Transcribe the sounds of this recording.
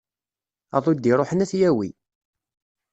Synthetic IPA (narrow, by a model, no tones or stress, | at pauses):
ɑðˤod̪ːiɾˤoħənæθjæwḭ